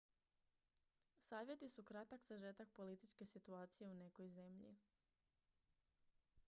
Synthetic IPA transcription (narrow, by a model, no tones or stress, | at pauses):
saːʋje̞t̪isukɾat̪akz̥aʒet̪ak̚po̞lit̪it͡ʃke̞sit̪uaːt̪sije̞une̞ko̞jze̞mʎḭ